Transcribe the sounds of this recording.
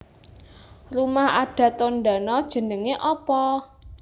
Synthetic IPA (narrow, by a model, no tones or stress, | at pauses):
rumahaɖ̥ä̤t̪onɖa̤nɔd̥ʒ̥ə̤nəŋeʔɔpɔ